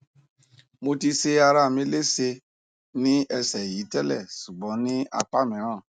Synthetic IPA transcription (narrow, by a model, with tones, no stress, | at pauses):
mo˧ti˧se˧a˧ɾa˦˨me˦le˦se˧ | nĩ˦ɛ˧sɛ˨ji˨˦tɛ˦lɛ̰˦˨su˨ɡ͡bɔ˨˦nĩ˦a̰˨k͡pa˦mɛ̃˨˦ɾ̃ɔ̃˦˨